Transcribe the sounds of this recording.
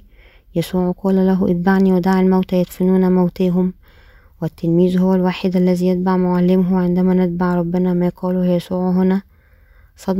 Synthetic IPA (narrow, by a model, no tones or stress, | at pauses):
jæsuːʕqɑːlælæɦuʔɪt̪̚baʕniwed̪aːʕalmæwt̪æjet̪fɪnuːnæmæwt̪eːɦʊm | wɪt̪ːelmiːzhowːælwaːħed̪ʔælːæzijet̪̚baʕmoʕalːɪmɦʊʕend̪æmænɪt̪̚baʕɾˤɑbːɪnæmæjqɑːluːhjæsuːʕɦʊnæ | sˤɑd̪